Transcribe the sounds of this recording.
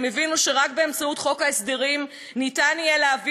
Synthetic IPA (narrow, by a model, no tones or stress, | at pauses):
mevinuʃe̞ʁakbe̞emt͡sautχo̞kaesd̪eʁim | nitanijeleavi